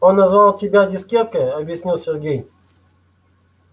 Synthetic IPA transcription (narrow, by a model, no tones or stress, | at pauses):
onːɐzvalˠtʲɪbʲadʲɪskʲepkəɐbʲjɪsʲnʲilˠsʲɪɾɡʲej